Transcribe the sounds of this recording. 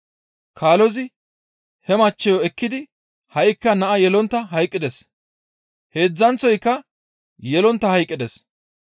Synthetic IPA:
kʰaːlɔzɪ | hɛmɐt͡ʃːɛjɔɛkːɪd̪ɪ | hɐjkːɐnɐʔɐjɛlɔnt̪ːɐɦɐjkʼːɪd̪ɛs | he̞ːd͡zːɐnt͡sːɔjkːɐ | jɛlɔnt̪ːɐhɐjkʼːɪd̪ɛs

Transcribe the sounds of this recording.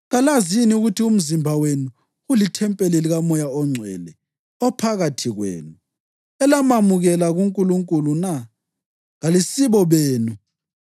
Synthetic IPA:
ɣalaziniuɣutʰium̩zimbʱawenu | ɣulitʰɛmpʼɛleliɣamɔjaɔŋ͡ǀʱwɛ̰ːlɛ | ɔpʰaɣatʰiɣwḛːnu | ɛlamamuɣɛlaɣuŋkʼuluŋkʼuluna | ɣalisiβɔβeːnu

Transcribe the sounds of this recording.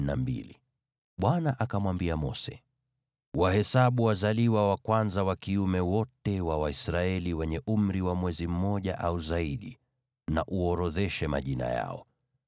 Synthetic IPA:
ambḭli | ɓwanaʔakamwambiamɔsɛ | wahɛsaɓuwazaliwawakwanzawakiumɛwɔtɛwawaisɾaɛliwɛɲɛʔum̩ɾiwamwɛzim̩mɔʄaʔauzaiɗi | naʔuɔɾɔðɛʃɛma̰ʄina̰ja̰ɔ

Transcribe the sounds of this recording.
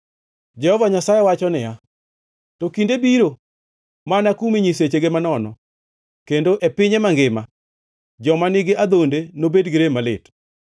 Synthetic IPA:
d͡ʒɛhɔvaɲasajewat͡ʃɔnɪja | tɔkindebiɾo | manakumiɲiset͡ʃeɡemanɔnɔ̰ | kendoʔepɪɲemaŋɡɪma | d͡ʒɔmanɪɡɪʔad̪ondenobedɡɪɾemalɪt

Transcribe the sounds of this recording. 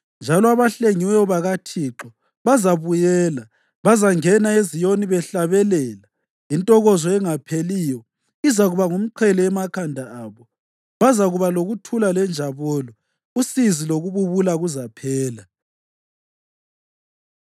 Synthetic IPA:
nd͡ʒʱalɔaβaɬeŋiwɔβaɣatʰiǁɔ | βazaβujɛːla | βazaŋɛnaezijoniβɛɬaβɛlɛːla | intʼɔɣɔzɔɛŋapʰeliːjɔ | izaɣuβaŋum̩ǃʰɛlɛɛmakʰandʱaaːβɔ | βazaɣuβaloɣutʰulalɛnd͡ʒʱaβɔlɔ | usiziloɣuβuβulaɣuzapʰɛːla

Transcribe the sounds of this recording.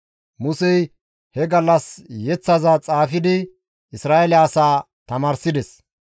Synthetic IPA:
mʊsɛj | hɛɡɐlːɐsjɛt͡sːɐzat͡sʼaːfɪd̪ɪ | ʔɪsɾaːʔɛlɪaːsaː | t̪ɐmaːɾsɪd̪ɛs

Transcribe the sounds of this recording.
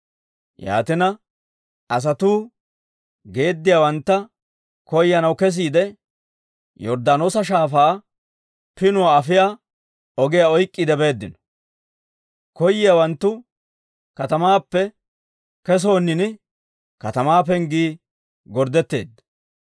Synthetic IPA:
ja̰ːt̪ɪnɐ | ɐs̬ɐt̪uː | ɡe̞ːd̪ːɪjawɐnt̪ːɐ | kɔjːɐnɐwkɛs̬iːd̪ɛ | jɔɾd̪aːno̞ːsɐʃ̬aːfaː | pɪnʊwaɐfɪjaː | ɔɡɪjaɔjkʼːɪd̪ɛbe̞ːd̪ːɪnɔ̥ | kɔjːɪjawɐnt̪ːʊ | kɐt̪ɐmaːpːɛ | kɛs̬o̞ːnːɪnɪ | kɐt̪ɐmaːp̬ɛŋɡiː | ɡɔɾd̪ɛt̪ːe̞̰ːd̪ːɐ̥

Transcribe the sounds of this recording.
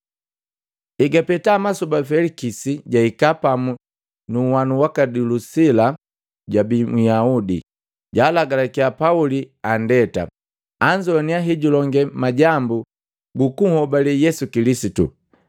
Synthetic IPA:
iɡapɛtaːmasubafɛlikisiɟaikapamu | nuwanuwakadulusila | ɟabimujaudḭ | ɟaːlaɡalakiapauliandɛta̰ | aɲd͡ʒɔniaɦiɟulɔŋɡɛmaɟambu | ɡukuhɔbalɛjɛsukilisitṵ

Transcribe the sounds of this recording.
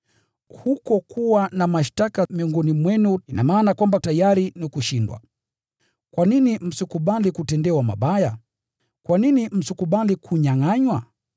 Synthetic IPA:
hukɔkʰuwanamaʃtakamiɔŋɡɔnimwɛnuinamaːnakwambatajaɾinikuʃindwa̰ | kwaninim̩sikuɓalikutɛndɛwama̰ɓaja | kwaninim̩sikuɓalikʰuɲaŋaɲwa

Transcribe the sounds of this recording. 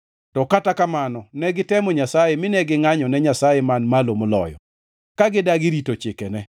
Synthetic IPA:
tɔkatakamanɔnɛɡɪtɛmɔɲasajɛmɪnɛɡɪŋaɲɔnɛɲasajɛmanmalomolɔ̰jɔ̰ | kaɡɪdaɡɪɾitot͡ʃɪkɛnɛ

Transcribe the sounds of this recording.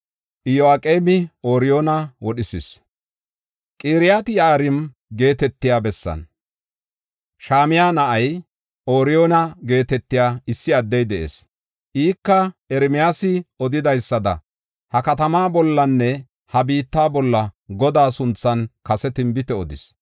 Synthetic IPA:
ʔɪjoaːkʼeːmɪo̞ːɾɪjoːnɐwɔɗɪsɪs | kʼiːɾɪjaːt̪ɪjaɾɪn | ɡe̞ːt̪ɛt̪ːɪjaːbɛsːɐ̰n | ʃaːmɪjaːnɐʔɐj | ʔo̞ːɾɪjo̞ːnɐɡe̞ːt̪ɛt̪ːɪjaːɪsːɪɐd̪ːɛjd̪ɛʔḛːs | ʔiːkːɐɛɾɪmɪjaːsɪɔd̪ɪd̪ɐjsːɐd̪ɐ̰ | hɐkɐt̪ɐmaːbɔlːɐnːɛ | hɐbiːt̪ːaːbɔlːɐɡɔd̪aːsʊnt͡sːɐnkɐsɛt̪ɪmbɪt̪ɛɔd̪ɪ̰s

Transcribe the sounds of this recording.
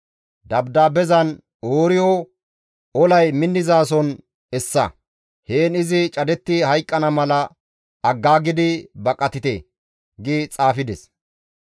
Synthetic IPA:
d̪ɐbd̪aːbɛzɐn | oːɾɪjɔ | ɔlɐjmɪnːɪzaːs̬ɔn | ɛsːɐ̰ | heːnɪzɪt͡ʃʼɐd̪ɛt̪ːɪhɐjkʼːɐnɐmɐlɐ | ɐɡːaːɡɪd̪ɪbɐkʼɐt̪ɪt̪ḛː | ɡɪt͡sʼaːfɪd̪ɛs

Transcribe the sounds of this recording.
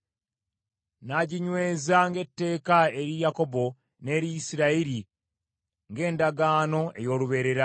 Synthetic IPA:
naɟiɲwe̞ːzaŋɡe̞tːe̞ːkae̞ɾijako̞bo̞ | ne̞ːɾiisiɾaiɾi | ŋɡe̞ːndaɡaːno̞e̞̰jo̞ːluβe̞ːɾe̞ɾa

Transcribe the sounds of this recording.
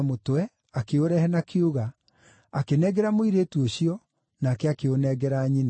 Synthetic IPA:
motɛ | akeoɾɛhɛnakʰeuɣa | akenɛɣɛɾamoiɾeːtuoɕiɔ | naːkɛakeonɛɣɛɾaːɲina

